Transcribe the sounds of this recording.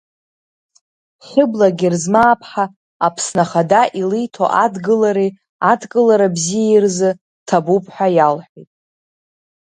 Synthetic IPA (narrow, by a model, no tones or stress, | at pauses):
χɪblaɡʲirzmaːpʰħa | apʰsnaχadaʔilijtʰo̰ʔadɡɨlaɾi | adkʼɨlaɾabzijairzɨ | tʰabupʰʼħʷᶣajalħʷᶣitʼ